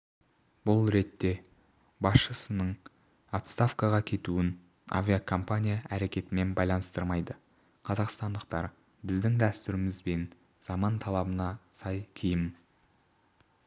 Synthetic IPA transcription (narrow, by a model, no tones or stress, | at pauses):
bʊlˠɾe̞t̪ːe̞ | bɑsʃəsənəɴ | at̪st̪afkɑʁɑkʲʰe̞t̪uɪn | a̰vʲijakʰo̞mpanʲijaʔæɾe̞kʲe̞t̪ɪme̞nbɑjlˠɑnəst̪əɾmɑjd̪ə | qʰɑzɑqst̪ɑnd̪əq̚t̪ɑ̰ɾ | bɪzd̪ɪŋd̪æst̪ʏɾɪmɪzbe̞n | z̥ɑmɑnt̪ʰɑlˠɑbənɑsɑjkʲʰijɪm